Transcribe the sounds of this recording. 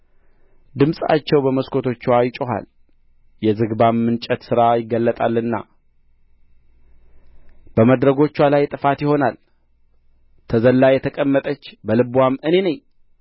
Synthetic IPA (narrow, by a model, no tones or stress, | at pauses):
d̪ɨmsʼa̰t͡ʃːɛwbəməskʰo̞t̪ʰo̞t͡ʃːwajt͡ʃʼoɦa̰l | jɛzɨɡbamːɨnt͡ʃʼɛt̪sɨɾajɪɡəlːət̪ʼalːɨnːa̰ | b̥əməd̪ɾəɡo̞t͡ʃːwalajt̪ʼɨfat̪jɪho̞nal | t̪ʰəzəlːajɛt̪ʰəkʼəmːət̪ʼət͡ʃːbəlɨbwamːɨne̞nəɲ